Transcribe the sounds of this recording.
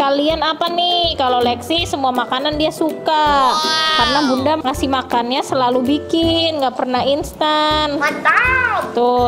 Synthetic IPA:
kalianapanɪhkalolɛksisəmuamakanandiasuka | karənabundaŋasimakanɲasəlalubikɪnɡaʔpərnaɦinst̪an | t̪ʊ

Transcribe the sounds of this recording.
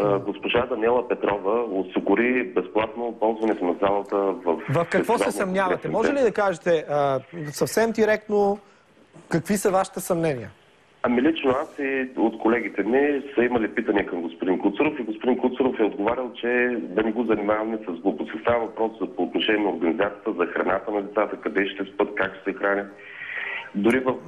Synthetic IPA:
ɡospoʒad̪ɐnɛlˠəpɛt̪ɾɔvəosiɡʊɾibɛsplˠat̪nopɔlˠzvɐnɛt̪onɐzalˠət̪əvɐfvɐfkɐɛkvɔzaɛsɐmnʲjavɐt̪ɛmmɔʒɛlid̪ɐkaʒɛt̪ɛəsɐfsɛmd̪iɾɛk̚t̪no | kɐkvisəvaʃi̥t̪ɛsɐmnɛniə | ɐmilit͡ʃnoasiot̪kolɛɡ̟it̪ɛnɛsɐimɐlipit̪əniɛkɐmɡospod̪inkʊt̪suɾofiɡospʊd̪inkʊt̪suɾofɛod̪ɡovaɾʲəlˠt͡ʃɛd̪ɐnɛɡozɐnimavɐmɛsɐzɡlˠobot̪səst̪avəvɐpɾɔszɐpoːt̪noʃɛniɛoɾɡɐnizat̪siət̪əzɐxɾɐnat̪ənɐlit̪sat̪əkɐd̪ɛʃt̪ɛspɤt̪kakʃsɛxɾanʲət̪ | d̪ʊɾivɐf

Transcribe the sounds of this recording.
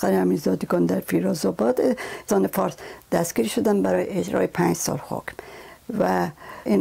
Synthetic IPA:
xæɾehæmizɒːd̪iɡɒːnd̪æɾfiɾɒːzɒbɒːt̪esɒːnefɒɾsd̪̥æsɡ̥iːɾʃod̪ænbæɾɒːjeed͡ʒɾɒ̰ːjepʰæɲd͡ʒsɒ̰ːlho̰kmvæʔin

